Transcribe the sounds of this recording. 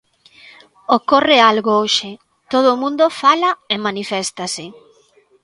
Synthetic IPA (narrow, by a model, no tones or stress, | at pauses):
okorɪalɣooʃe | t̪oð̞oːmũnd̪ofalɐemanifɛst̪asɪ